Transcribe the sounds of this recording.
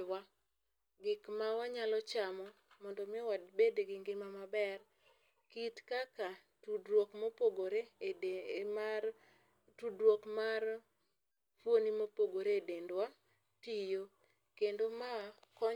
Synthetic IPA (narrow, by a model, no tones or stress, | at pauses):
wa | ɡɪkmawaɲalɔt͡ʃamɔ | mɔndɔmɪwadbedeɡɪŋɡɪmamabɛr | kitkaka | tudwokmopoɡoɾe | tudwokmar | fwonimopoɡoɾeedendwa | tijo | kendomakɔ